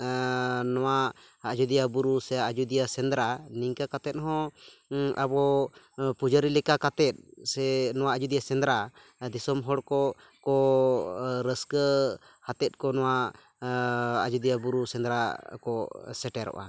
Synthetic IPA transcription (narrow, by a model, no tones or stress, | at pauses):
nɔwa | ad͡ʒud̪ijabuɾusɛaad͡ʒud̪ijasɛnd̪ɾaniŋkakat̪ɛt̪̚ɦɔ̃ | ʔabɔ | pud͡ʒaɾilɛkakat̪ɛt̪̚sɛnɔwaad͡ʒud̪ijasɛnd̪ɾa | d̪isɔmɦɔɽkɔ | kɔ | ɾəskə | hat̪ɛt̪̚ˀkɔnɔwa | d͡ʒud̪ijabuɾusɛnd̪ɾakɔsɛʈɛɾɔ̰ʔa̰